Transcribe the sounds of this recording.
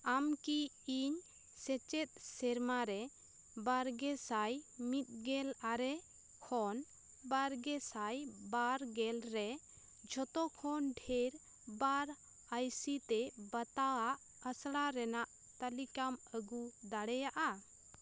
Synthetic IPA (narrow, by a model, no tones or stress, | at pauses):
amki | iɲ | sɛt͡ʃɛt̪̚sɛɾmaɾɛ | baɾɡɛsajmit̪̚ˀɡɛlaɾɛ | kʰɔn | baɾɡɛsajbaɾɡɛlɾɛ | d͡ʒʱɔt̪ɔkʰɔnɖʱeɾ | baɾ | ajsit̪ɛbət̪aaʔ | əsɽaɾɛnaʔ | t̪alikaməɡud̪aɽɛjaʔa